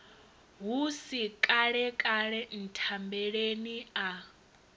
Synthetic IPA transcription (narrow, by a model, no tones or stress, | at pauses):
ɦusikʼaɺɛkʼaɺɛn̩tʰambɛɺenia